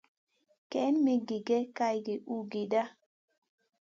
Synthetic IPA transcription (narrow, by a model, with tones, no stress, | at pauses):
kɛ˨˦nme˦ɡi˨ɡɛ˦ka˦jɡe˨ʔu˦ɡi˨da˦